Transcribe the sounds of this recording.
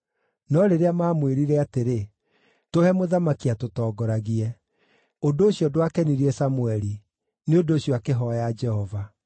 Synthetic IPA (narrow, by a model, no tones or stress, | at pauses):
nɔɾeɾeamaːmweɾiɾɛateɾe | tohɛmoðamakiatotɔːɡɔɾaɣiɛ | ondoːɕjɔdwakɛniɾiɛsamuɛɾi | neondoːɕjɔakeɦɔjad͡ʒɛhɔva